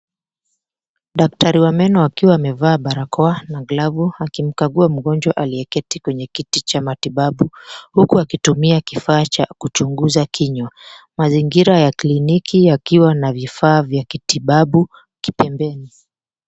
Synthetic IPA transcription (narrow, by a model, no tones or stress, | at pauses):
ɗak̚taɾiwamɛnɔakiwaːmɛvaːɓaɾakʰɔanaɡlavuakim̩kaɠuam̩ɠɔnd͡ʒwaʔaliɛkɛtikwɛɲɛkitit͡ʃamatiɓaɓuhukuakitumiakifaːt͡ʃakut͡ʃuŋɡuzakʰiɲwamaziŋɡiɾajaklinikʰijakiwanavifaːvjakitiɓaɓu | ki̥pɛmbɛni